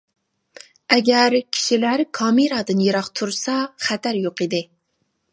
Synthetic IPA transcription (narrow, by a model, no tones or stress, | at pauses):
ɛɡʲæɾkʲʰi̥ʃilæɾkʰɑːmiɾɑːd̪ɨnjeɾɑqt̪ʰuɾsɑχɛt̪ʰæɾjoqid̪ɪ